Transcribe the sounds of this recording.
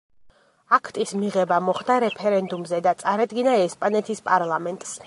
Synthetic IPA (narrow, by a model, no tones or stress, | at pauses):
akʰt̪ʼismiʁɛbamɔχd̪aɾɛpʰɛɾɛnd̪umzɛd̪at̪sʼaɾad̪ɡinaɛspʼanɛt̪ʰispʼaɾlˠamɛnt̪ʼs